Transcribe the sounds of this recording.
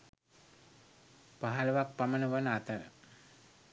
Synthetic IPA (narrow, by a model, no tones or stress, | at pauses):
paɦalɐʋak̚pamənəʋənat̪əɾə̰